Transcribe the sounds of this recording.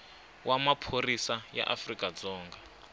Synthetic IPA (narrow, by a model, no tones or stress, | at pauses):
wʔamapʰorisaja̰ʔafrikʼad͡zɔːŋɡa